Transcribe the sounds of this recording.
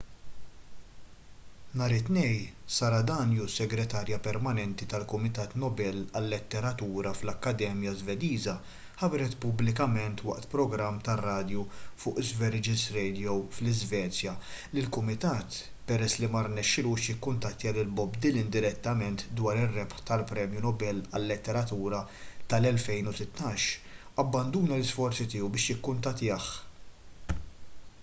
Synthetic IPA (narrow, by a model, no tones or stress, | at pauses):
nɐːɾɪt̪nɛjsɐɾɐd̪ɐːnjusːɛɡɾɛt̪ɐːɾjɐpɛɾmɐnɛnt̪it̪ɐlkʊmɪt̪ɐːt̪nɔbɛlɐlːɛt̪ːɛɾɐt̪uːɾɐflɐkːɐd̪ɛːmjɐzvɛd̪iːzɐ | ħɐbɾɛt̪pʊblɪk̬ɐmɛnt̪wɐ̰ʔt̪pɾɔɡɾɐmːt̪ɐrːɐːd̪jufʊːʔɪzvɛɾɪd͡ʒɪzɾɛjd̪ijɔwflɪzvɛːt͡sjɐlɪlkʊmɪt̪ɐːt̪ | pɛɾɛsːlimɐrnɛʃːɪluːʃjɪkːʊnt̪ɐt̪ːɪjɐlɪlbɔbd̪ɪlɪnd̪ɪɾɛt̪ːɐmɛnt̪d̪wɐːɾɪrːɛpħt̪ɐlpɾɛːmjunɔbɛlːɐlːɪt̪ːɛɾɐt̪uːɾɐt̪ɐlɛlfɛjnʊsɪt̪ːɐːʃɐbːɐnd̪uːnɐlɪsfɔɾt͡sit̪ɪːuwbɪːʃjɪkːʊnt̪ɐt̪ːɪjɐħ